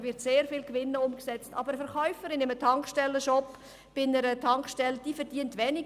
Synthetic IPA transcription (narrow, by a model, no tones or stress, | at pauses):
vɪɾtseːɾfɪlkʋɪnːəʊmksɛt͡stɑ̰ːbəɾəfɛɾχœʏfəɾɪnɪmətʰɑŋkʃtɛlːəʃɔpː | b̥ɪnəɾətʰɑŋkʃtɛləd̥iːfɛɾd̥iəntʋɛːnɪ